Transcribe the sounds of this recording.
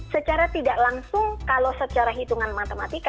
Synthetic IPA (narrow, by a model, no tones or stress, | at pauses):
sət͡ʃaɾat̪idaʔlaŋsʊŋkalowsət͡ʃaɾaɦit̪uŋanmat̪əmat̪ik